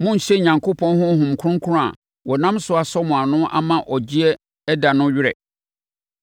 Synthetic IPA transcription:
mʊ̃˦n̩˨ɕɛ˦˨ɲã˨ŋkʰo˦pʰɔ̃˦nɦʊ̃˦hʊ̃˨m˨kʰʊ̃˦ŋ̩˦kʰʊ̃˦a̰˨ | wɔ˨nã˦msʊ˦a˨sɔ˦mʊ̃˨a˨nʊ̃˦ʔa̰˦mã˨ʔɔ˨d͡ʑi˦ɛ˦ | ɛ˦da˨nʊ̃˦ɥɪ˦ɾɛ̰˨

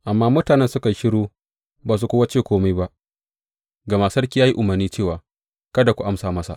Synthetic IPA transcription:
ʔa˨mːaː˦mʊ˦taː˨nɛ˦nsʊ˦ka˨ʃɪ˦ɽoː˦ | baː˨s̬u˦kʷʊ˦wa˦t͡ʃeː˦˨kʷoː˦ma˦jba˦ | ɡa˨ma˨sɐ˦rkʲi˦ja˦ji˦ʔʊ˨mɐ˨rniː˦t͡ʃeː˦˨waː˨ | kɐ˦da˨kʷu˨ʔa˦msaː˨mɐ˦sa̰˨

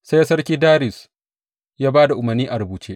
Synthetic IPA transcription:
sa˦ja˦sɐ˦rkʲiː˦daː˦ɾɪ˨s | jaː˦baː˦da˨ʔʊ˨mɐ˨rniː˦ʔa˨ɾʊ˨buː˨t͡ʃeː˦ʔ

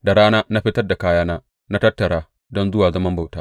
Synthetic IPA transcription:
da˨ɾaː˦naː˦na˦ɸi˦tɐ˦rda˨kaː˦jaː˦naː˦ | na˦tɐ˦tːɐ˨ɾaː˦ | dɔ˦nzʊ˦waː˨zɐ˦mɐ˦mba˨wtaː˦

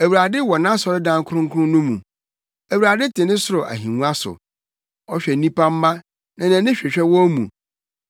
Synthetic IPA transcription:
æ˨wu˨ɾa˨dɪ˦wɔ˨nã˦sɔ˨ɾɪ˦dã˦ŋ˦kʰʊ˦ʊ̃˦ŋ̩˦kʰʊ˦ʊ̃˦nʊ̃˦mũ˨ | æ˨wɾa˨dɪ˦tʰɪ˨nɪ̃˦sʊ˦ɾʊ˨ʔa̰˨ɦĩ˨nũ˦a˦sʊ̰˨ | ɔ˦ɕᶣɛ˨nĩ˦pʰã˦m̩ː˦ã˦ | nã˨nã˨nɪ̃˦ɕᶣɛ˨ɕᶣɛ˦wɔ̃˦mṵ̃˨

